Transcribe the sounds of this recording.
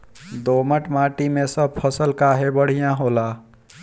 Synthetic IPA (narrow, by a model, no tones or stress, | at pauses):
d̪oməʈmãʈimesəb̚pʰəsəlkaɦebəɽ̤ijãɦola